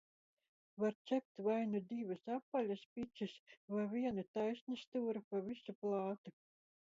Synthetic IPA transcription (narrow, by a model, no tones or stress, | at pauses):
vaɾt̪ʲɛp̚ʲt̪vajnud̪ivɨsapːalʲɐspʲisʲisvavʲiɛnut̪ajsʲnɨst̪uːɾupavʲisuplˠɑːt̪u